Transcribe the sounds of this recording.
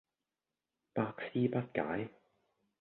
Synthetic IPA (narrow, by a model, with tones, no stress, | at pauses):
paː˧k̚siː˥pɐ˥t̚ka̰ː˨˥j